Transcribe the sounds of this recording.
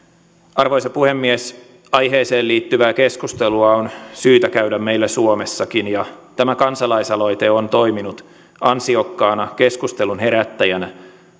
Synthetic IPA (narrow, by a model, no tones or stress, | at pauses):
ɑrʋo̞jsɑpuhe̞mːies | ɑjɦe̞ːseːliːt̪ːyʋæːkeskust̪e̞luɑonsyːt̪ækæyɥdæmme̞jlːæsuome̞sːɑkinjɑt̪æmækɑnsɑlɑjsɑlo̞jt̪e̞o̞nt̪o̞jminut̪ | ɑnsio̞kːɑːnɑk̟e̞skust̪elunɦe̞ɾæt̪ːæjænæ